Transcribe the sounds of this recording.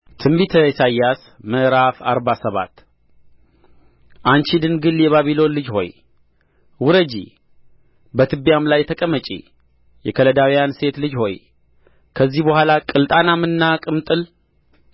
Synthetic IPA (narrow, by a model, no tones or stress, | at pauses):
t̪ʰɨmbit̪ʰəsajːas | məʔɾafaɾbasəβa̰t̪ | ʔant͡ʃid̪ɨnɡɨljɛβaβilo̞nlɨd͡ʒho̞j | wʊɾəd͡ʒḭ | bət̪ʰɨbjamlajt̪ʰəkʼəmət͡ʃʼḭ | jɛkʰələd̪awijanse̞t̪lɨd͡ʒho̞j | kʰəzːihbəhʷwalakʼɨlt̪ʼanamɨnːakʼɨmt̪ʼɨl